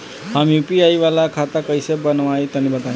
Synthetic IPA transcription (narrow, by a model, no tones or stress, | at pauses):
ɦamjupiaiʋalakʰat̪akəjsebənʋait̪ənibət̪ã